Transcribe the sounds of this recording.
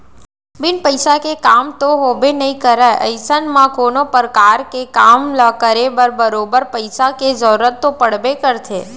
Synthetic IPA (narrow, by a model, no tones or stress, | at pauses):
bɪnpəjsakekamt̪oɦobenəɦĩkəɾajʔə̰jsənmãkonopəɾkaɾkekamləkəɾebəɾbəɾobəɾpəjsaked͡ʒəuɾət̪ːopəɽbekəɾt̪ʰe